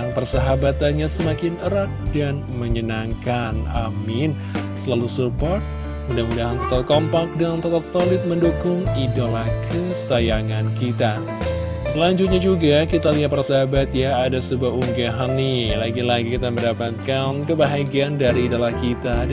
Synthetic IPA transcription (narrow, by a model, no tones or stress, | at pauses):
ŋpərsəɦabat̪anɲasəmakɪnəɾak̪̚dan | məɲənaŋkana̰mɪn | səlalusupɔrt̪̚ | mudamudaɦant̪ət̪at̪̚kompak̚daŋant̪ət̪ap̚solɪt̪̚məndukʊŋidolahkʰəsajaŋankit̪a | səlaɲd͡ʒut̪̚ɲad͡ʒuɡakit̪aliat̪paɾasaɦabat̪̚jaːdasəbuapuŋɡaɦanːɪlaɡilaɡikit̪aməndapat̪̚kankəbaɦaɡiandaɾiːdolahkit̪a